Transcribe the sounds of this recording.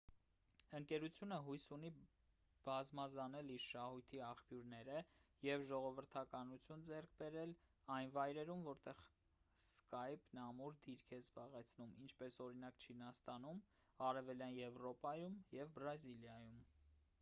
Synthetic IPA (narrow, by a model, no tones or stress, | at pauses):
əŋkɛɾut͡sʰjunəɦujsuni | b̥ɑzmɑzɑnɛliɾʃɑhujt̪ʰiɑχpjuɾnɛɾəjɛvʒɔʁɔvəɾt̪ʰɑkɑnut͡sʰjund͡zɛrkʰbɛɾɛl | ɑjnvɑjɾɛɾumvɔɾt̪ɛʁ | skɑjpnɑmuɾd̪iɾkʰɛzbɑʁɛt͡sʰnumint͡ʃʰpɛsɔɾinɑkt͡ʃʰinɑst̪ɑnum | ɑɾɛvɛljɑnjɛvɾɔpɑjumjɛvbɾɑziljɑjum